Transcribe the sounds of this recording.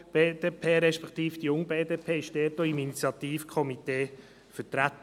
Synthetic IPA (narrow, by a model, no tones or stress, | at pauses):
b̥eːd̥eːpʰeːɾɛʃpɛkt̪iːfd̥ijʊŋbeːdeːpʰeːɪʃd̥ɛːtoːiminit͡sjɑt̪iːfkʰɔmit̪eː | fətɾæt̪